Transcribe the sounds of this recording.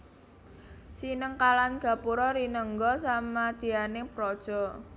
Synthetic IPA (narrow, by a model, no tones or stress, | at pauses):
sinəŋkalanɡ̥ä̤puɾɔɾinəŋɡɔsamad̪̥i̤anepɾɔd̥ʒ̥ɔ̤